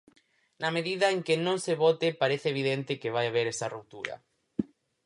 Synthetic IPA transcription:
nameðiðɐeŋkenõŋseβot̪epaɾeθeβ̞iðent̪ɪkeβajaβ̞eɾesarup̚t̪uɾɐ̰

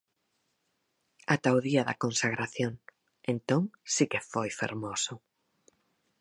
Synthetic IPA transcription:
at̪aoðiaða̰kõnsaɣ̞ɾaθjoŋ | ẽnt̪oŋsikefojfḛɾmosʊ

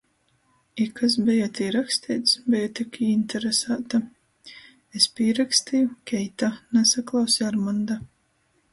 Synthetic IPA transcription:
ikas̬bɛjat̪iːɾaksʲt̪iːt̪sbɛjat̪ikiinʲt̪ʰɛɾesaːt̪a | espʲiːɾakst̪ijukʲɛjt̪anɛsaklˠawsiaɾmand̪a

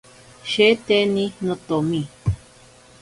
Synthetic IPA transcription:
ʃet̪enĩnõt̪omĩ

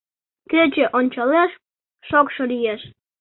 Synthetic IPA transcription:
køt͡ɕeʔonʲt͡ɕɑleʃ | ʃokʃolijeʃ

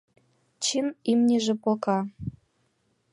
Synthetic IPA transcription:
t͡ɕimimnʲeʒĕpokɑ

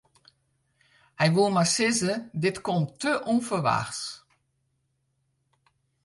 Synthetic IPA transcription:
hɛjʋulˠmasɪzədɪtkɔmttøʔɔnfəʋa̰xs

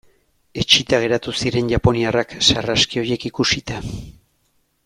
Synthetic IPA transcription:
e̞t͡ʃit̪aɣ̞e̞ɾat̪usiɾe̞nʝapo̞niaraksaraskio̞je̞kikusit̪a

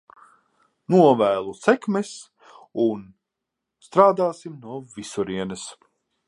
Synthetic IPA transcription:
nuɔvæːlˠusɛkmɛs | un | st̪ɾaːd̪aːsimnuɔvisuɾiɛnɨs

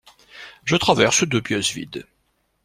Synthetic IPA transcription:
ʒət̪χavɛʁsəd̪əbjœsvḭd̪

